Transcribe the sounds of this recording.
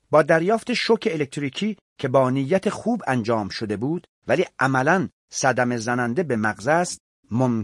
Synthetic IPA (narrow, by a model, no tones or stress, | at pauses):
bɒːd̪æɾjɒːft̪eʃokʰeːlek̚t̪ɾiːkʰiː | kʰe̞bɒːnijːæt̪ʰexuːbænd͡ʒɒːmʃod̪e̞buːd̪̥ | væliːʔæmælæn | sæd̪æme̞zænænd̪e̞be̞mæɣzæst̪ | mom